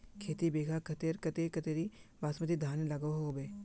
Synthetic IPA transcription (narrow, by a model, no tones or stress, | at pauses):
kʰeːt̪ibeːɡʱaːkʰət̪eɾkət̪eːkət̪eːɾiːbaːsmət̪id̪ʱaːnləɡoɦoːbeː